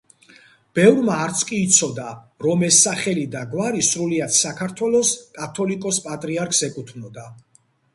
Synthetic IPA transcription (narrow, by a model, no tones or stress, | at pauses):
b̥ɛvɾmaːɾt̪sʰkʼiːt̪sʰɔd̪a | ɾɔmɛsːaχɛlid̪aɡwaɾisɾuliat̪ʰsakʰaɾt̪ʰwɛlˠɔskʼat̪ʰɔlikʼɔspʼat̪ʼɾiaɾkʰsɛkʼut̪ʰvnɔd̪a